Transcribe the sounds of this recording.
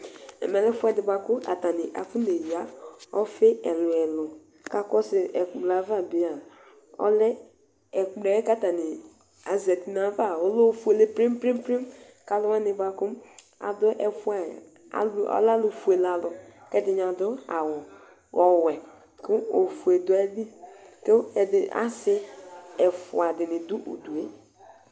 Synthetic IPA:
ɛ̰˨mɛ˨le˦fu˦ɛ˦dɪ˨bʷa˨kʊ˦a̰˨ta˨nɪ˨ʔa̰˨fu˦ne˨ja˨˦ɔ˦fe˦ɛ˨lʊ˨ɛ˨lʊ˨ | ka˦kɔ˦sɪ˨ɛ˨kla˨va˦˨bi˨a˨ | ɔ̰˦lɪ˦ | ɛ˨k͡ple˨˦ka˦ta˨nɪ˨ | a˨ze˨ti˨na˨˦va˦˨o˨˦lo˦fu˦e˨le˦pɾi˦m˦pɾi˦m˦pɾi˦m | ka˦lʊ˦wa˦nɪ˨ba˨kʊ˦ | a̰˨dʊ˦ʔɛ˨fu˦a˨ | a̰˨lɔ̰˦la˦lu˨fu˨e˨la˨lʊ˨kɛ˦dɪ˨ɲ˨a˨dʊ˦a̰˨wʊ˨ | ɔ˨wɛ˨ | kʊ˦o˨fu˨e˨dʊ˨˦a˦li˦to˦ɛ˨dɪ˨ʔa̰˦sɪ˦ɛ˨fʊ̰˨a˨dɪ˨nɪ˨du˦ʔo̰˨du˨e˦

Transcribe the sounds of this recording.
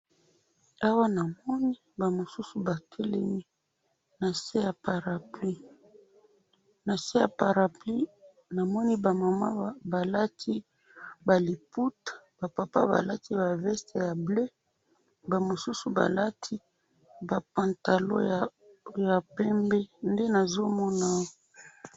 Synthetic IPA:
a˦wa˦na˨mɔ˦ni˦ | ba˨mo˨su˦su˦ba˨tʰɛ˦lɛ˦mi˦ | na˨se˦ja˨pa˨ʁa˨pli˦ | na˨se˦ja̰˨pa˨ʁa˨pli˦ | na˨mɔ˦ni˦ba˨ma˨ma˦ba˨la˦tʰi˦ | ba˨li˨pu˦tba˨pa˨pa̰˦ba̰˨la˦tʰi˦ba˨vɛ˦ste˨ja˨ble˦ | ba˨mo˨su˦su˨ba̰˨la˦tʰi˦ | ba˨pã˨nta˨lo̰˦˨ | ja˨pɛ˦mbɛ˦nde˦na˨zo˦mɔ˦na˦o˦

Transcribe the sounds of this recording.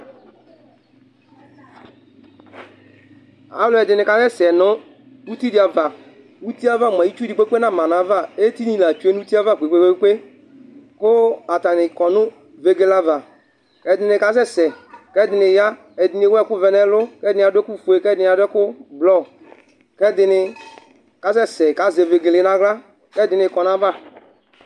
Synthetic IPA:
a̰˦lʊ˨ɛ˨dɪ˨nɪ˨ka˦sɛ˦sɛ˨nʊ˦ | u˦ti˦dɪ˨a˨va˨ | u˦ti˦a˦va˦˨m˨ã˨ji˦t͡ʃu˦di˨k͡pe˦k͡pe˦nã˦˨mã˨na˨˦va˦˨e˦ti˦nĩ˦˨la˨t͡ʃu˦e˦nu˦u˦ti˦a˦va˦˨k͡pʷe˨k͡pe˦k͡pe˦k͡pe˦ | kʊ˦a˨ta˨nɪ˨kɔ˨nʊ̃˦ | ve˨ɡe˨la˦va˨ | kɛ˦dɪ˨nɪ˨ka˦sɛ˦sɛ˨kɛ˦dɪ˨nɪ˨ja˦ | ɛ˨dɪ˨nɪ˨˦wɛ˦˨kʊ˦vɛ˨nɛ˦lʊ˦kɛ˦dɪ˨n˦˨a˨dʊ˦ɛ˦kʊ˦fu˨e˨kɛ˦dɪ˨n˨a˨dʊ˦ɛ˦kʊ˦blɔ˦˨ | kɛ˦dɪ˨nɪ˨ | ka˨˦sɛ˦˨sɛ˨ka˦ze˨ve˨ɡe˨lɪ˨˦na˦ɣla˦ | kɛ˦dɪ˨nɪ˨kɔ˨na˦va˦˨

